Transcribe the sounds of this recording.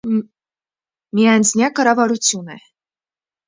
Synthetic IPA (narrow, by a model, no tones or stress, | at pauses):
miɑnznʲjɑkɑɾɑvɑɾut͡sʰjunɛ̰